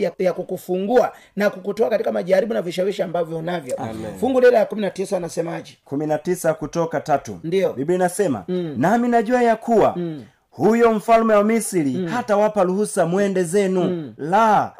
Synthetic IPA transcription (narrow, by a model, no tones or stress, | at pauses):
ajakukufuŋɡua | nakukutɔakatikamaʄaɾiɓunaviʃawiʃiambavjɔnavjɔfuŋɡulɛlajakuminatisanasɛmaʄikuminatisakutɔkatatṵndiɔbibinasɛma̰naminaʄuajakʰuwa̰ | hujɔɱ̩falmɛwamisilihatawapaluhusamwɛndɛzɛnula